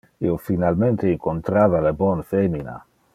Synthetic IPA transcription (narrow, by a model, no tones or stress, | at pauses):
iofinalment̪eiŋkont̪ɾaːvalebɔnfemina̰